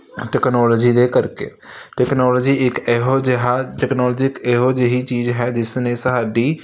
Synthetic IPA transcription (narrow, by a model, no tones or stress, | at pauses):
ʈeːknɔːlɔːd͡ʒid̪ekəɾkḛʈɛːknɔːlɔːd͡ʒiɪkːɦod͡ʒɦaʈɛːknɔːlɔd͡ʒɪkeɦod͡ʒeɦit͡ʃiːzɦɛd͡ʒɪsnesəɦaːɖi